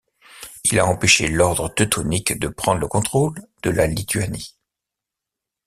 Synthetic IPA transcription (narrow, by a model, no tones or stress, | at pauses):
ilaɑ̃peʃelɔʁd̪ʁət̪ɔt̪ʰɔnikd̪əpχɑ̃d̪ʁləkɔ̃t̪χold̪̥əlalit̪yani